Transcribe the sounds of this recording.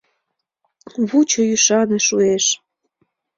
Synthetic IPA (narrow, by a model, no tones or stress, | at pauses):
βut͡ɕojyʃɑneʃueʃ